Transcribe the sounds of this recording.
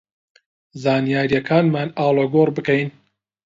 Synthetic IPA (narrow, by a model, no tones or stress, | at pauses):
zaːnijaːɾijɐkʰaːnmaːnaːlˠɐɡoːrbɨkɛjn